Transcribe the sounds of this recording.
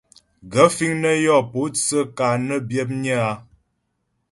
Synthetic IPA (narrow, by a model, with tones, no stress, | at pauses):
ɡə˨˦fi˦ŋnə˦jɔ˦˨po˨˦t͡sə˦ka˨nə˦bjə˦p̚ɲə˦a˦